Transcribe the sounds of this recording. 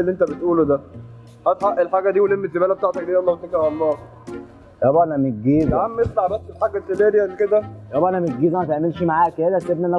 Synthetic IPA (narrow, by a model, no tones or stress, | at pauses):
eliːʔent̪æbet̪ʔuːlod̪æ | hæt̪ħaʔːelħaːɡæd̪iːwelemːezebæːlæbet̪aʕt̪æk̚d̪iːjʔɑlˤːɑːbet̪ːækeʕwɑlˤːɑː | jæbæʔænæmet̪̚ɡeːzæmːeslaʕbæsːelħaːɡæselæːd̪ijælːiked̪æjæbæʔænæmet̪̚ɡeːzæmæt̪eʕmelʃimaʕaːk̪æd̪æsebnænːæ